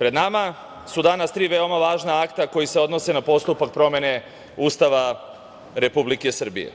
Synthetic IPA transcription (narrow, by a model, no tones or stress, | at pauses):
pɾe̞d̪nama | sud̪anast̪ɾiːʋe̞o̞maʋaːʒnaakt̪ako̞jise̞o̞d̪no̞se̞napo̞st̪upak̚pɾo̞me̞ne̞ | uːst̪aʋa | ɾe̞publike̞sr̩bḭjḛ